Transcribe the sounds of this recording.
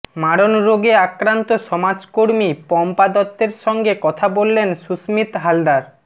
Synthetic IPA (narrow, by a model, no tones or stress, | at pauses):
maɽonɾoɡeakɾant̪oʃɔmad͡ʑkoɾmipɔmpad̪ɔt̪ːeɾʃɔŋɡekɔt̪ʰabolːenʃusmit̪ɦald̪aɾ